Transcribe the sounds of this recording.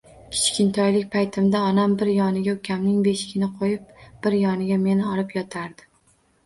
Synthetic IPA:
kʲʰɪ̥t͡ʃkʲɪnt̪ʰɒjlɪk̚ʲpʰajt̪ʰɪmd̪aɒnambɪɾjɒnɪɡʲaʊkʲʰamnɪŋbe̞ʃɪ̥kʲɪnɪqʰojɪp̚b̥ɪɾjɒnɪɡʲame̞nɪɒɾɪpjɒt̪ʰaɾd̪ɪ̥

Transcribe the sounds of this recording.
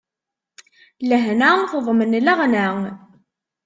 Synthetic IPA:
ləɦnanθəðˤmənlæʁnæŋ

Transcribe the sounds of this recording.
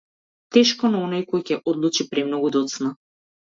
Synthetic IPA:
t̪ɛʃkɔnaɔnajkɔjcɛʔɔd̪lˠut͡ʃipɾɛmnɔɡud̪ɔt̪sna

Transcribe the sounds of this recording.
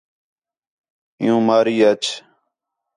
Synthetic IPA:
ɪ̰̃jũːmaːɾiːət͡ʃ

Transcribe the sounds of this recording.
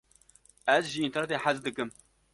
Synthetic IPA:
ɛzʒiint̪ɛɾnɛt̪eːnħazd̪ɨkɨm

